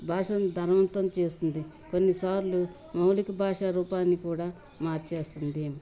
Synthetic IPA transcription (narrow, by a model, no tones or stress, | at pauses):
bʱaːʂɐnd̪ʱɐɾɐʋɐnt̪ɐmt͡ʃe̞ːst̪ind̪i | konːisaːɾlu | mɐwlikɐbʱaːʂaɾuːpaːnːikuːɽaː | maːɾt͡ʃe̞ːst̪und̪i